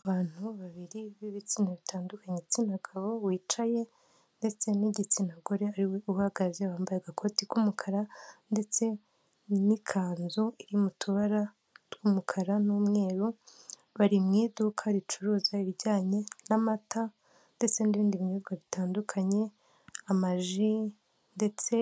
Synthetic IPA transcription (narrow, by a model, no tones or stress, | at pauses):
aaβaːn̥huβaβiɾiβiβit͡siːnaβitʰaːndukaɲet͡sinaɡaβo̞wiːt͡ʃaje̞ | nde̞t͡se̞niɟit͡sinaɡoɾeaɾiweuhaɡazewaːmbajeɡakʰo̞tiumukʰaɾande̞t͡se̞ | nikʰaːnzuiɾimutʰuβaɾa | tɡuːmukʰaɾanuːmŋe̞ːɾu | βaɾimŋiːdukʰaɾit͡ʃuɾuːzaiβiɟaːɲe̞namata | nde̞t͡se̞niβiːndiβiɲuzɡwaβitaːndukʰaɲe̞ | amaʒi | nde̞t͡se̞